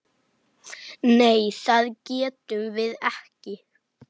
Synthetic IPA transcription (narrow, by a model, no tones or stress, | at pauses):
nejθaðcɛːt̪ʏvɪðɛhcɪ